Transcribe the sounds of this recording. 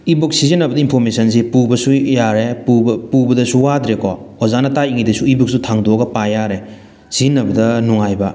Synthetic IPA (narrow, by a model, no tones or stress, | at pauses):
ibok̚sizinɐbɐdɐinpʰoɾmesɐnsipubɐsujaɾepupubɐdɐsuwad̪ɾekɔɔzanɐtajiŋidɐsuibuk̚sutʰaŋdɔɡɐpajaɾe | sinːɐbɐdɐnuŋajbɐ